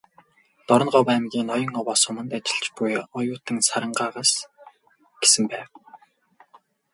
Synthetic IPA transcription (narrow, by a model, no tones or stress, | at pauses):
t̪ɔɾɞ̆ɢɔwæmɡʲiːnɔjɞ̆ŋɔwɔːsʊmə̆nt̪at͡ɕɪ̥̆ɬt͡ɕpujɔjʊːt̪ɘ̆ŋsaɾə̆ɴɢaːʁaːs | ɡ̥e̥sɘ̆mpæːw